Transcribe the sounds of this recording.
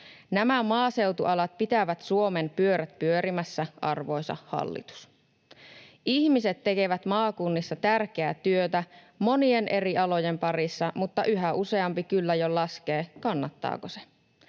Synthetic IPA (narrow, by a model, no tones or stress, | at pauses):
næmæmɑːse̞wt̪uʔɑlɑt̪̚pit̪æʋæt̪suo̞mempyøɾæt̪̚pyøɾimæsːæʔɑ̰rʋo̞jsɑ̰hɑ̰lːḭt̪u̥s | ʔiçmiset̪ːe̞ke̞ʋæt̪mɑːkunːisːɑt̪ærk̟eæt̪yøt̪æ | mo̞nienʔe̞riɑlo̞je̞mpɑrisːɑmut̪ːɑʔyɦæuse̞ɑmpikylːæjolɑskeːkɑnːɑt̪ːɑ̰ːkose